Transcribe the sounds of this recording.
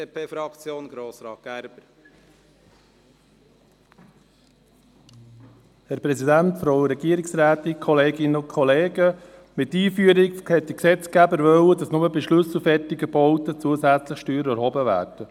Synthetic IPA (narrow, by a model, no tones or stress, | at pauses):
pʰeːfɾɑkt͡sjoːnɡɾoːsɾɑːt̚ɡ̥æɾb̥əɾ | hɛɾpɾɛsidænt̪fɾoʊɾɛɡiəɾiksɾæːt̪ɪnkʰɔleːɡɪnəʊnkʰχɔleːɡə | mɪtːiːfyəɾikhɛt̚d̥̪iksɛt͡skæbəɾʋœwədɑsnʊməbiʃlɵsufɛrtiɡəb̥ɔʊt̪ət͡suəsæt͡sləxʃtyːɾəæɾhɔbəvæ̰ːrd̥ə